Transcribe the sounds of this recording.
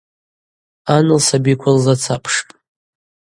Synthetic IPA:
anɨlsabikʷʰalzat͡sʰapʰʂpʼ

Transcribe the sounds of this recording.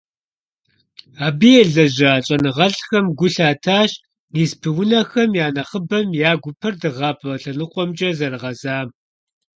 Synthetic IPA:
aːbijɛɮɐʑaːɕʼɐnɨʁɐɬxɐmɡʷʊɬaːtʰaːɕ | niːspʰɨwʊnɐxɐmjaːnɐχəbɐmjaːɡʷʊpʰɐrdɨʁɑːpʰʼɐɬɐnɨqʷʼɔmt͡ʃʼɐzɐrɨʁɐzaːm

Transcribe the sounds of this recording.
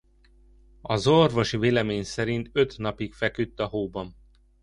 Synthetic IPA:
ɒzorvo̞ʃiveːlɛmeːɲsɛɾint̪ø̞t̪nɒpikfɛkyt̪ːɒɦoːbɒm

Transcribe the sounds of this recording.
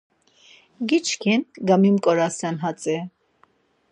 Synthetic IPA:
ɡit͡ʃkʰinɡamimkʼɔɾasanɦat͡sʼɛ

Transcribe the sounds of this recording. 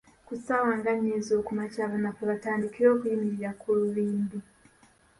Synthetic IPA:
kusawaːŋɡaɲezo̞ːkumacaːβanakoβataːndikiɾo̞ːkujimiɾiɾakʰuluβiːndu

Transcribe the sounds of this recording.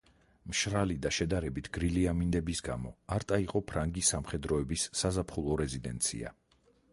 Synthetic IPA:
mʃɾalid̪aʃɛd̪aɾɛbit̪ʰɡ̥ɾiliamind̪ɛbisɡamɔaɾt̪ʼaiqʼɔpʰɾaŋɡisamχɛd̪ɾɔɛbisːazapʰχulˠɔɾɛzid̪ɛ̰nt̪sʰḭa̰

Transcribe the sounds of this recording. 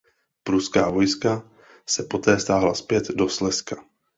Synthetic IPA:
pɾuskaːvo̞jska | sɛpo̞t̪ɛːst̪aːɦlaspjɛt̪do̞slɛskḁ

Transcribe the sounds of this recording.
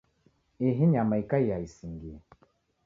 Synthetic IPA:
eɦiɲamaikaijaisiŋɡiɛ

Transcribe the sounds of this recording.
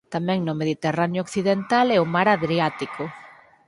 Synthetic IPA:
t̪amɛ̃ŋnʊmeðit̪eranjokθiðent̪alɛoʊmaɾaðɾiat̪ikʰʊ

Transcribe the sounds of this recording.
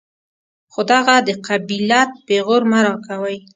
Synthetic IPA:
xod̪aɣad̪əqabilɑt̪̚beɣoɾmaɾɑkawəj

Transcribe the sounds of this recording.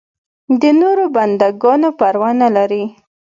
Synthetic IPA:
d̪ənoɾoband̪aɡɑnopaɾwanalaɾi

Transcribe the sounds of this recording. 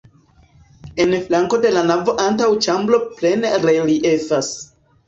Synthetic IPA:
e̞nflaŋko̞de̞lanavo̞ʔantawt͡ʃamblo̞ple̞nɾeliʔe̞fas

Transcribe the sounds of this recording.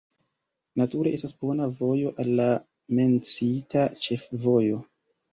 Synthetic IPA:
natuɾe̞ʔe̞stasbo̞navo̞jo̞ʔalːa | me̞nt͡sitat͡ʃe̞fvo̞jo̞

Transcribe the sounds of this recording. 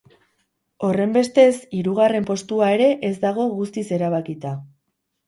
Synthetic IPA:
o̞re̞mbe̞st̪e̞siɾuɣare̞mpo̞st̪uaeɾe̞ʔezd̪aɣ̞o̞ɣust̪ise̞ɾaβ̞akit̪a

